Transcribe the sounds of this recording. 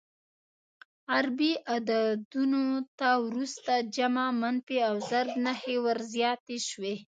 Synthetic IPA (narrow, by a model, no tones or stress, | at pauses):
aɾbiʔad̪ad̪unot̪awɾust̪ad͡ʒamamanfiawzaɾbnahewaɾzjɑt̪eʃwe